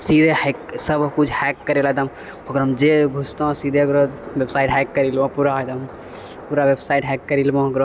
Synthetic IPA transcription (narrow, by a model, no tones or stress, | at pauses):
sid̪ʱehɛksəbkut͡ʃʰhɛkːɐɾelad̪ɐm | ɦoɡəɾɦɐmd͡ʒeɡʱust̪oõsiːd̪ʱeɐɡɾod̪ʋebsaːɪʈɦɛkːɐɾilbãpuɾaɦd̪ɐm | puːɾaʋebsaːiʈɦɛːkːɐɾiːlbãɦɐɡɾ